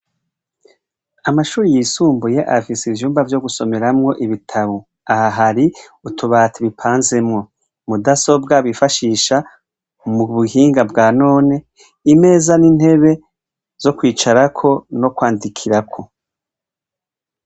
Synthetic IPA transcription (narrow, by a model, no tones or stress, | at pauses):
amaʃuːɾijisuːmbujeʔafisivjuːmbavjo̞ɡuso̞me̞ɾamŋo̞ʔiβitʰaβo | ahaɦaɾiutʰuβaːtiβipʰaːnze̞mŋo̞ | mudaso̞bɡaβifaʃiːʃa | muβuhiːŋɡabɡaːno̞ːne̞ | ime̞ːzanin̥he̞βe̞ | z̥o̞kwiːt͡ʃaɾakʰo̞no̞kwaːndikʰiɾakʰo̞